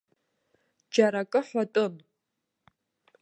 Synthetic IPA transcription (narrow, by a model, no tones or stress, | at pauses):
d͡ʒaɾakʼɨħʷatʼɨn